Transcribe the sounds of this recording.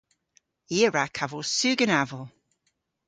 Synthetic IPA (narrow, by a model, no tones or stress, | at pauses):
iəɹakʰavosʉːɡənavəlˠ